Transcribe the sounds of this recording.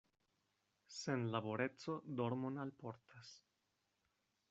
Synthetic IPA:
se̞nlaboɾe̞t͡so̞d̪o̞ɾmonalpoɾt̪as

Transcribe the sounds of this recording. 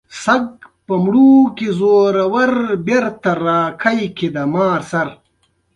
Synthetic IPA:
sɐɡ̚pɐmɽuːkizoːɾɐwɐɾbeɾt̪ɐɾaːkʰɐjkʰid̪ɐmaːɾsɐɾ

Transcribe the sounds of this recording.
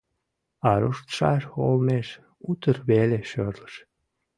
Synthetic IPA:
ɑɾuʃt̪ʃɑʃolmeʃ | ut̪ərβeleʃørləʃ

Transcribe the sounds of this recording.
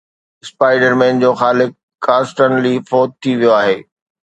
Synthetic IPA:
ɪspaːɪɖəɾmẽːnd͡ʑoːxaːlɪkː | aːsʈənlifɔːt̪̚t̪ʰːiʋijoaːɦeː

